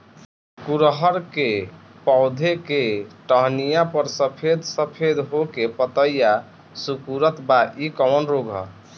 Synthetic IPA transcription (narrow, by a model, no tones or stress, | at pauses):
kuɾɦəɾke | pɔʊd̪ʱekeʈəɦnijapəɾsəpʰed̪səpʰed̪ɦokepət̪əjja | sukuɾət̪baʔikəmənɾoɡʱɦə̰